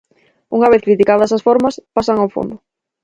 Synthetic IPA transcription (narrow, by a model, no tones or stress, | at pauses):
uŋɐβ̞eθkɾit̪ikaðɐsasfɔɾmɐspasaŋawfo̰nd̪ʊ